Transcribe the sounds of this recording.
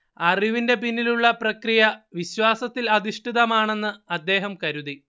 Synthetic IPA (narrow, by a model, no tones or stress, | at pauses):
ɐriʋinde̞pinːiluɭːɐprɐkrijɐʋiɕwaːsɐt̪ːilɐd̪iʂʈiðɐmaːɳe̞nːɨɐd̪ːe̞ːɦɐmkɐɾuði